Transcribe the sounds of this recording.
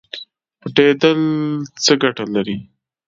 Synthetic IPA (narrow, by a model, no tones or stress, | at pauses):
pəʈed̪əlt͡səɡaʈalaɾi